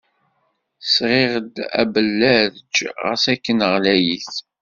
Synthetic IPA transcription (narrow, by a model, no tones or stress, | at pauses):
sʁɪʁəd̪æ̰bəlːæɾd͡ʒʁə̰sækːənəʁlæjiθ